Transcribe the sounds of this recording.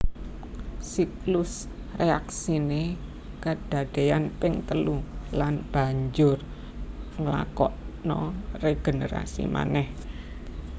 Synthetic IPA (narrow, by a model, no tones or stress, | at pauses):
siklʊs | reaksine | kad̥ä̤d̪̥ejanpɪŋt̪əlulanb̥a̤ɲd͡ʒʊr | ŋəla̰kɔʔnɔreɡ̥e̤nəɾa̰sḭma̰nɛh